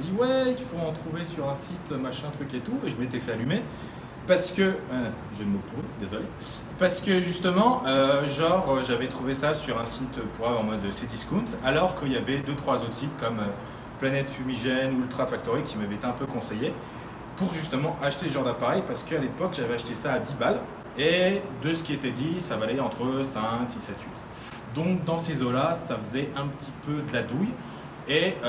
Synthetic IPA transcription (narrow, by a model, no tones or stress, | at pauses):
d̪iwɛifoɑ̃t̪χuvesyʁɛ̃sit̪ømaʃɛ̃t̪χyket̪ueʒəmet̪ɛfɛalyme | paʁsə̥kəɛ | ʒənməpuʁyd̪ezɔle | paʁsə̥kəʒyst̪əmɑ̃ʔøʒɑ̃ʁøʒavɛt̪χuvesasyʁɛ̃sit̪øpuʁavɑ̃mwad̪əsed̪iskunzalɔʁkəiljavɛd̪øt̪χwazot̪χəsit̪kɔmø | planɛt̪fymiʒɛnylt̪χafak̚t̪ɔʁikʲʰːimavɛet̪eɛ̃pøkɔ̃seje | puʁʒyst̪əmɑ̃ʔaʃt̪eləʒɑ̃ʁd̪apaʁɛjpaʁsə̥kəalepɔkʒavɛaʃt̪esaːd̪ibal | ed̪əsə̥kʲiet̪ɛd̪isavalɛɑ̃t̪χəsɛ̃ksisɛt̪ʰɥit̪ | d̪ɔ̃k̚d̪ɑ̃sezolasafəzɛɛ̃pət̪ʰipød̪əlad̪uj | e